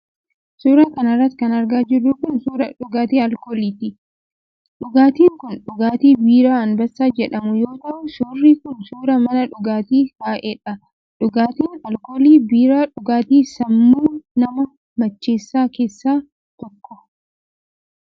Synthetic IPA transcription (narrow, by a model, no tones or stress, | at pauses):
suːɾɐkɐnɐrːɐt̪kɐnɐɾɡaːd͡ʒɪrːuːkʊnsuːɾɐᶑʊɡaːt̪iːɐlkoːliːt̪ɪ | ᶑʊɡaːt̪iːŋkʊnᶑʊɡaːt̪iːbiːɾaːɐnbɐsːaːd͡ʒɛᶑɐmʊjo̞ːt̪ɐʔʊsuːrːiːkʊnsuːɾɐmɐnɐᶑʊɡaːt̪iːkaːʔɛᶑɐ | ᶑʊɡaːt̪iːnɐlkoːliːbiːɾaːᶑʊɡaːt̪iːsɐmːuːnɐmɐ | mɐt͡ʃːe̞ːsːaːke̞ːsːaː | t̪ɔkːɔ̥